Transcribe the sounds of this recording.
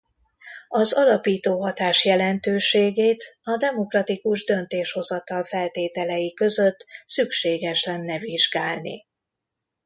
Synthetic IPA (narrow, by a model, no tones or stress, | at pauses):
ɒzɒlɒpiːt̪oːɦɒt̪aːʃjɛlɛnt̪øːʃeːɡeːt̪ɒd̪ɛmo̞krɒt̪ikuʒd̪ø̞nt̪eːʃho̞zɒt̪ɒlfɛlt̪eːt̪ɛlɛjikø̞zø̞t̪ːsykʃeːɡɛʃlɛnːɛviʒɡaːlnḭ